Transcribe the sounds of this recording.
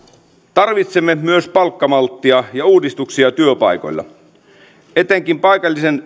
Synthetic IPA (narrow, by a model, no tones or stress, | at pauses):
t̪ɑrʋit̪semːemyøspɑlkːɑmɑlt̪ːiɑjɑuːdist̪uksiɑt̪yøpɑ̰jko̞̰jlːɑ̰ | e̞t̪eŋkimpɑjkɑlʲːisen